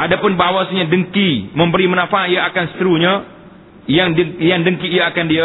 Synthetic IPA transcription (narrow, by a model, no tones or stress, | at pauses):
ʔadapʊnbawasaɲadəŋkiməmbəɾimənafaijaakansə̥t̪əɾuɲa | jaŋjaŋdəŋkiːjaakandia